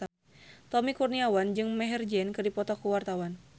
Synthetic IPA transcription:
t̪ɔmikurniawand͡ʒɨŋmɛɦɛrd͡ʒɛnkɨrdipɔt̪ɔkuwart̪awan

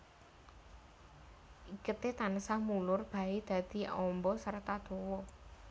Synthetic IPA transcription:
ʔikət̪et̪anəsamulʊrb̥a̤ed̪̥ä̤d̪̥i̤ʔɔmbɔsərt̪ad̪̥owɔ

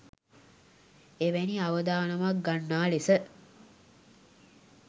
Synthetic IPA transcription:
eʋæniaʋəd̪aːnəmak̚ɡanːaːlisə

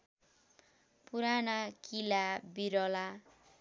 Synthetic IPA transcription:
puɾanakilabiɾɔla

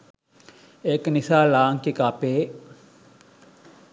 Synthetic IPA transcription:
eknisaːlaːŋkikapeː

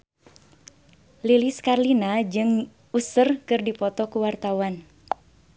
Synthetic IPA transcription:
liliskarlinad͡ʒɨŋ | usərkɨrdipɔt̪ɔkuwart̪awan

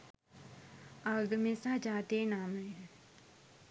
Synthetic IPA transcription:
aɡmẽsad͡ʒaːt̪enaːmẽ

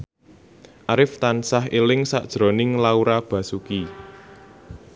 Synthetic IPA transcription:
ʔaɾɪft̪ansaɦelɪŋsa̰d̥ʒ̥ɾonɪŋlauɾab̥ä̤suki

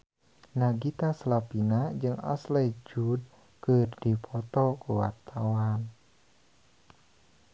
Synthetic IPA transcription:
naɡit̪aslapinad͡ʒɨŋa̰slɛd͡ʒud̚ | kɨrdipʰɔt̪ɔkuwa̰rt̪awan

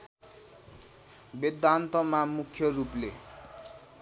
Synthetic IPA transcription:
bid̪ant̪ʌmamukʰːjʌruple

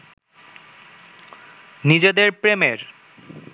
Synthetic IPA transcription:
nid͡ʑed̪eɾpɾemeɾ

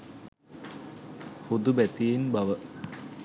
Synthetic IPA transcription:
hud̪ubet̪iːnbɐʋə

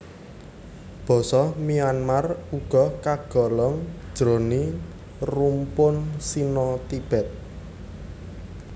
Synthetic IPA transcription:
b̥ɔ̤sɔmianmaruɡ̥ɔ̤kaɡ̥ɔ̤lɔŋd̥ʒ̥ɾo̤ni | rumpʊnsinɔt̪ib̥ɛ̤t̪̚

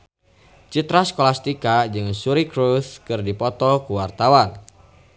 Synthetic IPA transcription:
t͡ʃit̪ɾaskɔlast̪ikad͡ʒɨŋsuɾikɾuθkɨrdipɔt̪ɔkuwart̪awan

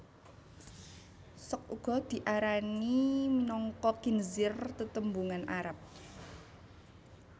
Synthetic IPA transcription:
sɔk̚uɡ̥ɔ̤d̪̥i̤ʔaɾanimnɔŋkɔkinzɪrt̪ət̪əmbuŋanaɾap̚

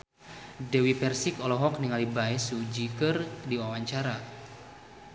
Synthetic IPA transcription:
dɛwipɛrsikɔlɔɦɔk̚niŋalibajsud͡ʒikɨrdiwawaɲt͡ʃaɾa

